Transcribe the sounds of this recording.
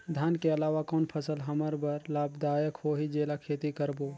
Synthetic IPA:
d̪ʱjaːnkeəlaːʋakɔːnpʰəsəlɦəməɾbəɾlaːbd̪aːjəkhoːɦid͡ʒeːlakʰeːt̪ikəɾboː

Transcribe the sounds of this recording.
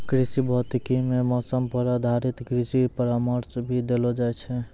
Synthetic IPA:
kɾisibʱɔt̪ikimemɔsəmpəɾad̪ʱaɾit̪ɡɾisipəɾaməɾsbʱid̪elɔd͡ʒajt͡ʃʰɛ

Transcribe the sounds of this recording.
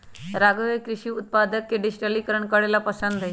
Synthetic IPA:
ɾaɡəʋkɾɪʃiʊt̪̚pad̪əkːeɖɪd͡ʑʈəlikəɾəɳkəɽelapəsənd̪ʱe

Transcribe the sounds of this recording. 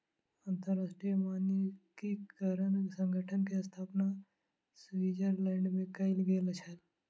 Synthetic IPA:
ãnt̪əɾːaːsʈɾijəmaːnjəkikaɾənsə̃ŋɡʱəʈʰənkeəst̪ʰaːpna | sʋiːd͡ʒəɾlɛːɳɖmẽkɐɪlɡeːlət͡ʃʰəl

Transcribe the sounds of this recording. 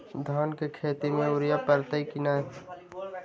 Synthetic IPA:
d̪ʱɔːnkekʰeːt̪imẽuɾjapəɾt̪əikinaː

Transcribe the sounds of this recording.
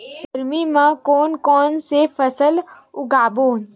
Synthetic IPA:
ɐɾmimãkɔːnkɔːnsefʰɐsəl | ʊɡaːboːn

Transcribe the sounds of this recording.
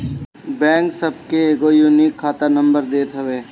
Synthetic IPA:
bɛ̃ːŋksəb̚keːɡojuːnikʰːaːt̪ənə̃mbəɾd̪eːt̪ɦəʋeː

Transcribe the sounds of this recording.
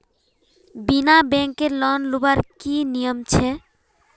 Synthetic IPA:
binabɛŋkeɾlɔnlubaɾkinijomt͡ɕʰe

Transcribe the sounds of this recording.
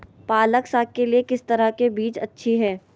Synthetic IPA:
paːləksaːk̚kːeliekɪst̪ɐɾəkebiːt͡ʃɐ̰tːʃʰiɦɛː

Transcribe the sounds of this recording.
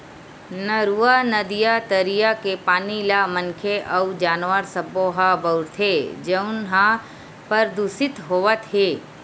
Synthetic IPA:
nəɾuanəd̪ijat̪əɾijakepaːnilamə̃nkʰeʔəd͡ʒaːnʋəɾsəboɦabəʊɾt̪ʰed͡ʒəʊnɦã | pəɾd̪usɪt̪ɦoːʋət̪ɦeː

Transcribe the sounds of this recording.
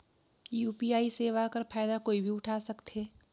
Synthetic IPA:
juːpiaːiseːʋakɐɾpʰaːjd̪akoːibʱiʊʈʰaːsɐkt̪ɦeː

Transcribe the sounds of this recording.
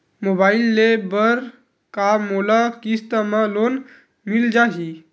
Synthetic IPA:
mobailːebəɾ | kamolakist̪əməlon | mild͡ʒaɦi

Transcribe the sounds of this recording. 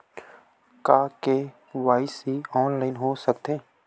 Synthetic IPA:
kaːke | waːɪsiɔːnlaːɪnɦosək̚t̪ẽː

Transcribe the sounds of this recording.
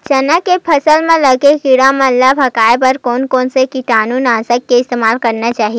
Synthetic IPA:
t͡ʃɐnəkːepʰɐsəlmẽlɐɡekɪɽamɐlːabʱɐkaːepɐɾkɔːnkɔːnsekiʈaːnuːnaːsəkːeɪst̪eːmaːlkɐɾnat͡ʃaːɦie

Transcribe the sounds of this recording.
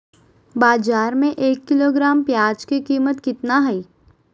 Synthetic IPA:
baːd͡ʒaːɾmẽʔeːkːɪloːɡɾaːmpjaːd͡ʒkikiːmət̪kɪt̪naɦɐiː

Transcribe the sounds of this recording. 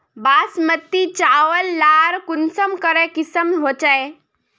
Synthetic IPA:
basmət̪ːit͡ʃawəlːaɾkunsəmkəɾɛkisəmɦot͡ʃae

